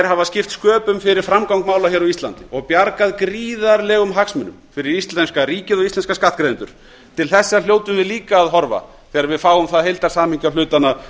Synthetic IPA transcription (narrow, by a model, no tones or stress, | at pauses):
ɛɾɦavascɪft̪skœːpʏmfɪɾɪɾ̥fɾamkawŋkmaːwlaçɛɾaist̪la̰nt̪ɪɔɣpjaɾkaðkɾiːðaɾlɛɣʏmɦaksmɛʏnːʏmfɪɾɪɾist̪lɛnskariːcɪðɔɣist̪ɛnskaskaht̪kɾejðɪnt̪ʏ̰ɾ̥ | t̪ʰɪlθɛsːaljoːwt̪ʏmvɪðliːkaːðɦɔɾva̰ | θɛːɣaɾvɪðfaːwʏmθaðhejlt̪aɾ̥saːmɪɲcalʏːt̪ana